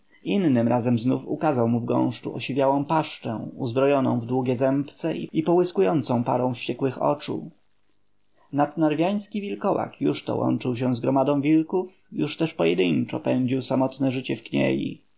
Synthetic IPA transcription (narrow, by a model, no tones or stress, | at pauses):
inːɘmɾʔazɛmznufṵkazawmuvɡɔ̰̃w̃ʂt͡ʂuʔɔɕevʲjawɔ̃w̃paʂt͡ʂɛ̰̃uzbɾɔjɔnɔ̰̃w̃vd̪wuɡʲɛzɛmpt̪sɛʔḭipɔwɘskujɔnt̪sɔ̃w̃pa̰ɾɔ̃w̃fɕt͡ɕɛkwɘxɔ̰t͡ʂṵ | nad̪naɾvʲjaj̃skʲivʲilkɔwa̰kjuʂt̪ɔ̰wʔɔ̰nt͡ʂɘwɕ̬ɛ̃zɡɾɔmad̪ɔ̃vʲilkuf | juʂt̪ɛʂpɔjɛd̪ɘɲt͡ʂɔ̰pɛɲd͡ʑiwsamɔt̪nɛʐɘt͡ɕɛfkɲḛjḭ